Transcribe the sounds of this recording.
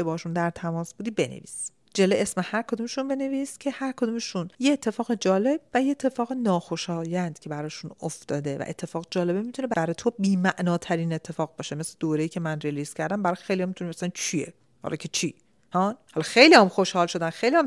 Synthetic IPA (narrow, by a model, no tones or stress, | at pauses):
ebɒhɔʃund̪æɾt̪ʰæmɒːsbuːd̪iːbe̞nḛvḭːs | d͡ʒeleʔesmehæɾkʰo̞d̪umeʃunbe̞neviːscʰehæɾkʰo̞d̪umeʃunjeet̪ʰːe̞fɒːɣed͡ʒɒːle̞b̥væjeet̪ʰːe̞fɒːɣenɒːxo̞ʃɒːjænd̪̥cʰe̞bæɾɒːʃunoft̪ɒːd̪e̞væ̰ʔe̞̰t̪ʰːe̞fɒːɣed͡ʒɒːle̞bemit̪ʰunebæbæɾɒːjt̪ʰobiːmæʔnɒːt̪ʰæɾiːne̞t̪ʰːe̞fɒːɣbɒːʃemesled̪oːɾe̞jiːcʰemænreliscʰæɾd̪æmbæɾɒjxejliɒmit̪ʰunimæsælænt͡ʃʰiḛ | hæ̰ɾɒ̰jcʰet͡ʃʰi | hɒːhɒlɒxejlihæmxo̞ʃhɒːlʃo̞d̪ænxejliham